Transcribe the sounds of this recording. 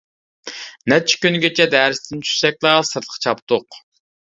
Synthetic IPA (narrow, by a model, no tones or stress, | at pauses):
nɛt͡ʃʰɛ̥kʲynɡʲet͡ʃʰɛd̪æːɾɪst̪ɪnt͡ʃʰy̥sɛk̚ʲlˠɑsɨɾt̪ˠə̥qʰt͡ʃʰɑpt̪oq